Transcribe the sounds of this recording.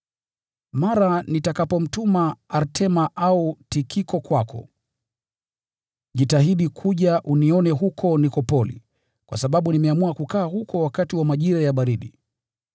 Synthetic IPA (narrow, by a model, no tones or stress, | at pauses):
maɾanitakapɔm̩tumaaɾtʰɛmaʔautikʰikɔkwakʰɔ̰ | ʄitaɦiɗikʰuʄaʔuniɔnɛɦukʰɔnikɔpɔlḭ | kwa̰saɓaɓunimɛamuakukaːɦukʰɔwakatiwamaʄiɾajaɓaɾiɗi